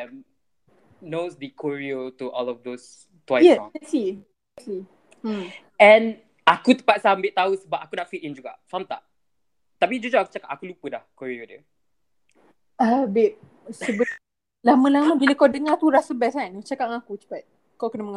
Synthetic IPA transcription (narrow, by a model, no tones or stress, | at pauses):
ɛm | nosd̪əkʰoɹiotuʔɔ̰lɔfd̪os | t̪wajjɛɛsi | ɛtli | ɛ̃n | akut̪ə̥pat̪̚sambɪʔ̚t̪ausəbap̚ʔakunaʔfit̪ĩnd͡ʒuɡa̰samt̪a̰ʔ | t̪apid͡ʒud͡ʒoaku̥t͡ʃakapʔakulupədahkoɹiodə̰ | ʔabɪʔ̚ | səbə | laməlaməbiləkawdəŋak̪uɾasəbɛt̚ant͡ʃakaʔŋakut͡ʃə̥pat̪̚ | kawkənəməŋa